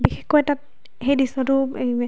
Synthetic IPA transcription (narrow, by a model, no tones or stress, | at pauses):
bixexkɔjtat̚ | hejdisɔtʊ